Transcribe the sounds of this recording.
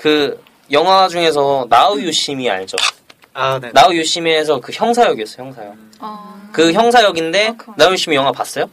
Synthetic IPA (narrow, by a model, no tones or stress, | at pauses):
kɯ | jʌŋɦwawd͡ʑuŋe̞s̬ʰʌnaujuɕ͈imia̰ɲid͡ʑo̰ | naujuɕ͈imesʰʌkɯçjʌŋsʰajʌɡiʌs͈ʌjçʰjʌŋsʰajʌɡ | kɯçjʌŋsʰajʌɡinde̞naujuɕ͈imijʌŋɦwapas͈ʌjo